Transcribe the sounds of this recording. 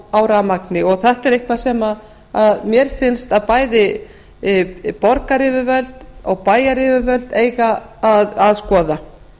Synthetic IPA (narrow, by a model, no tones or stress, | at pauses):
awɾamaknɪɔɣθɛht̪ɛɾejhkʰvḁsɛma | aðmjɛɾ̥fɪnst̪aðpaːjðɪ | pɔɾkaɾɪvʏvœlt̪̚ɔɣpaːjaɾɪvʏvœlt̪eːjɣaːðaðskɔːða